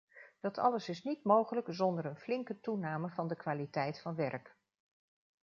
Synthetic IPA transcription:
d̥ɑtʰɑ̰ləsɪsnitmowχələkzɔndəɾənflɪŋkətunaːməvɑndəkʋaːlitɛjtfɑnʋɛrk

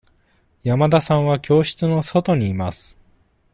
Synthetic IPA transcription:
jamad̪asãɰ̃βakʲo̞ːɕi̥t͡sɨno̞so̞t̪o̞ɲ̟iːmasɨ̥

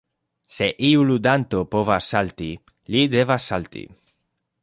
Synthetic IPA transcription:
se̞ʔiulud̪ant̪o̞po̞vasːalt̪i | lid̪e̞vasːalt̪ḭ

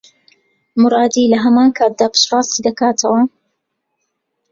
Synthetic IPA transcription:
mɨɾˤɑːd̪iːlɐɦɐmaːnkʰaːt̪̚d̪aːpɨ̥ʃrɑːst̪id̪ɐkaːt̪ʰɐwɐ

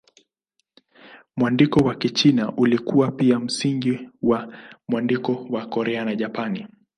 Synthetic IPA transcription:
mwandikɔwakit͡ʃinaʔulikuapiam̩siŋɡiwamwandikɔwakɔɾɛanaʄapani

